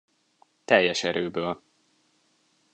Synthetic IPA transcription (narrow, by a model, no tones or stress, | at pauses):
t̪ɛjːɛʃɛɾøːbøːl